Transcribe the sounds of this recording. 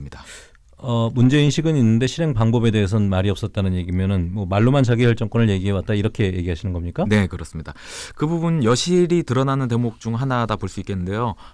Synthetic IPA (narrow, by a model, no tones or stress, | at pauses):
ɲida | ʌmund͡ʑe̞inɕʰiɡɯninːɯnde̞ɕʰiɾe̞ŋpaŋbʌbe̞de̞ɦes̬ʰʌnmaɾiʌp̚s͈ʌt̚t͈anɯnje̞ɡimjʌnɯnmwʌmaɭːomant͡ɕaɡiçjʌɭt͡ɕ͈ʌŋk͈ʌnɯɭje̞ɡiɦe̞wat̚t͈aiɾʌkʰe̞je̞ɡiɦaɕʰinɯnɡʌmɲik͈ane̞kɯɾʌs͈ɯmɲidakɯbubunjʌɕʰiɾitɯɾʌnanɯnte̞mok̚t͡ɕ͈uŋɦanadapoɭs͈uik͈ːenːɯnde̞jo